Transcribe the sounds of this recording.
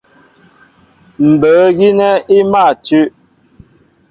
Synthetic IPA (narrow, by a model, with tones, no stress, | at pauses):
m̩˨bə˨˦ɣi˦nɛ˦i˦ma˦˨tʉ˦ʔ